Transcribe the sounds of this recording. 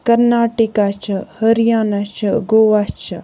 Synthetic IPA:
kɐɾnaːʈikat͡ʃʰəhɐɾijaːnat͡ʃʰəɡoːʋat͡ʃʰɐ

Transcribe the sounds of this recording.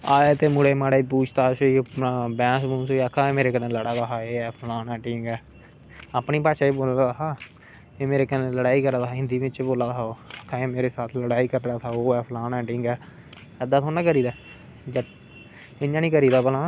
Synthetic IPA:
aːet̪eːmʊɽeːmaːɽeːpuːt͡ʃʰt̪aːsoiːbɛ̃ːsbũːnsoːiakʰãːemeːɾeːkəɾneːləɽaːd̪aːɦaːeːɛːpʰlaːnɛ̃ːʈɪŋɡɛː | aːpniːpaːʃaːeːboːlaːd̪aɦaː | eːmeːɾeːkəɾẽːləɽaːiːkəɾaːt̪aaːɦɪ̃nd̪iːʋɪ̃t͡ʃːboːlaːd̪aoːəkʰːãːeːmeːɾeːsaːt̪ʰləɽaːiːkəɾɾaːt̪ʰaːoːɛːpʰlaːnɛ̃ːʈɪŋɡɛː | ɛd̪aːt̪ʰõːnãːkəɾiːd̪aː | d͡ʒə | ɪnːãːnĩːkəɾiːd̪aːbəlãː

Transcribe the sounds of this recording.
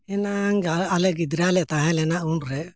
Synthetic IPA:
ɛnaŋɡaalɛɡid̪ɾalɛt̪aɦɛ̃lɛnaʔuɳɾɛ

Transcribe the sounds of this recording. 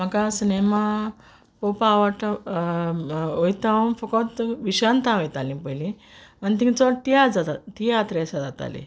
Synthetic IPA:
makasnema | popaʋaʈ | ojt̪aɔmfɔkɔt̪ʋiɕant̪aojt̪alĩpəjlĩ | mənt̪̬ĩt͡sɔt̪iad͡zat̪at̪iat̪ɾesad͡zat̪a̰lḭ̃

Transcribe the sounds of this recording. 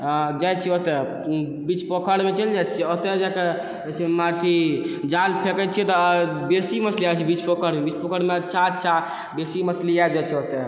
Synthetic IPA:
d͡ʒajt͡ʃʰɛot̪ɛ | bit͡ʃpəkʰəɽmet͡ʃəld͡ʒajt͡ʃʰɛot̪ed͡ʒake | ɛt͡ʃʰɛmat̪ʰid͡ʒalpʰekət͡ʃʰɛt̪ɔbesiməsliat͡ʃʰɛbit͡ʃpəkʰəɾmebit͡ʃpəkʰəɾmeətːʃʰaətːʃʰa | besiməsliad͡ʒajt͡ʃʰɛot̪ɛ

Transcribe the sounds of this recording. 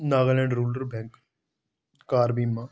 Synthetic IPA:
naːɡəlɛ̃ːɳɖɾuːləɾbɛ̃ːŋk | kaːɾbiːmːãː

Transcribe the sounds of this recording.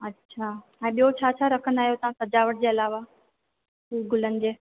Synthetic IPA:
ɐtːɕʰaː | ɛ̃ːɓijot͡ɕʰaːt͡ɕʰaɾɐkʰənaːɦijot̪ɐʋ̤ãsɐd͡ʑaːʋəʈ̚d͡ʑeːɐlaːʋa | kiːɡʊlənɪ̆d͡ʑeː

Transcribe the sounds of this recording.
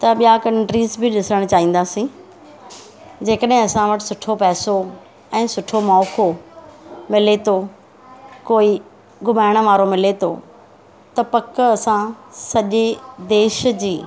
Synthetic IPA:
t̪ɐɓijakɐ̃ɳʈɾiːzbɪɗɪsəɽ̃t͡ɕaːɦĩːn̆d̪aːsĩː | d͡ʑeːkəɗɦɪ̃ɐsãʋɐʈɪ̥sʊʈʰopɛːso | ɛ̃ːsʊʈʰomɔːko | mɪlet̪ʰo | koːi | ɡʱʊmaːɪɽ̃ə̆ʋaːɾomɪlet̪ʰoː | t̪ɐpɐkɐsãsɐʄed̪eːʃd͡ʑiː

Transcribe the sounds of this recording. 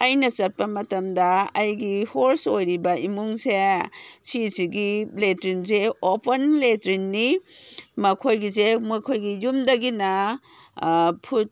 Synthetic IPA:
ɐjnɐsɐt̚pɐmɐtɐmdɐːjɡihoɾsojɾibɐimuŋsesisiɡiletɾinzeopʰɐnletɾinːi | mɐkʰojɡizemɐkʰojɡijumdɐɡinɐ | pʰut̚

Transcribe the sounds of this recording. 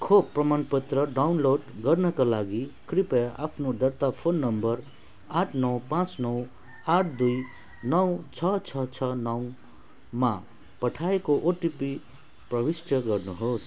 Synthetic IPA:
kʰob̚pːrʌmanpʌt̪rʌɖawnloɖɡʌrnʌkalaɡikripʌa̰pʰnod̪ʌrt̪apʰonːʌmbʌr | aʈʰnʌwpãt͡snʌw | aʈʰd̪uj | nʌwt͡sʰʌt͡sʰʌt͡sʰʌnʌw | ma | pʌʈʰaekoʔoʈipi | prʌbisʈʰʌɡʌrnuɦos

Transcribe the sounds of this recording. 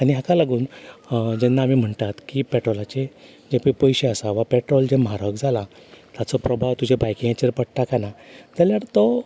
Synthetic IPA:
aɽ̃iɦakalaɡuːnd͡ʑɛnːaːmiːm̤əɳt̪at̪kiːpɛʈɾɔlat͡ɕe | d͡ʑepepɔjɕeəsaʋapɛʈɾɔld͡ʑemɦaɾəkd͡zʱalat̪jat͡sɔpɾɔbʱaʋt̪ud͡ʑʱebajkĩẽt͡ɕeɾpəɽʈ̪akanad͡zaljaɽt̪ɔ

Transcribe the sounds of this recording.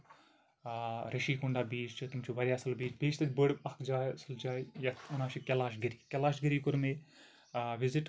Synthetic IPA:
ɾɐʃiːkuɳɖaːbiːt͡ʃt͡ʃɨt̪umt͡ʃʰuːʋɐɾʲjaːsɐlbiːt͡ʃbeːt͡ʃt̪ɐd̪ʲbəɽbɐkʰd͡ʒaːjsɨld͡ʒaːjjɐt̪ʰunaːʃikʲɛlaːʃɡiɾiːkʲɛlaːʃɡiɾiːkuɾme | ʋiziʈ

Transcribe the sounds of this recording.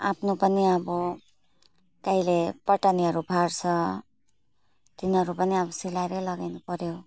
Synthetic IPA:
a̰pʰnopʌniʌbu | kaɦilepʌʈaniɦʌɾubʱaɾt͡sʰʌ | t̪inɦʌɾupʌniʌbʌsilajɾelʌɡajnupʌɾjo

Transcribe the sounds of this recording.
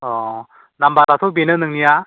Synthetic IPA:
ɔ | nambadasʰobenɯnɯŋnija

